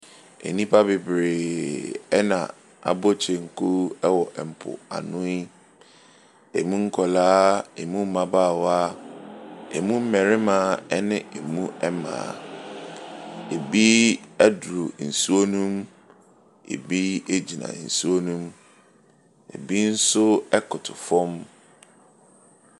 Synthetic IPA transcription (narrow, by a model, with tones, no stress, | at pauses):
ḛ˨nĩ˦pʰa˦bɪ˨bɾeː˨ | ɛ˦nã̰˨ | a̰˨bo˦t͡ɕʰe˨ŋ̩˨kʰu˦ɛ˦wɔ˨ʔɛ˨m̩˨pʰʊ̰˨a̰˨nʊ̃˦i˦ | e˨mũ˦ŋ̩˦kʰɔ˨laː˦e˨mũ˦m̩˦mã˨baː˦˨wa˦ | ḛ˨mũ˦m̩˦mɛ̃˨ɾɪ˦mãː˨˦˨ɛ˦nɪ̃˦e˨mũ˦ɛ˦mã̰ː˨ | e˨bi˦ɛ˦dɾu˨n̩˨su˦o˦nũ˦m | ḛ˨bi˦e˦d͡ʑi˨nã̰˨n̩˨su˦o˦nũ˦m | ḛ˨bi˦n̩˦sʊ˦ɛ˦kʰʊ˨tʰʊ˨fɔ̃˦m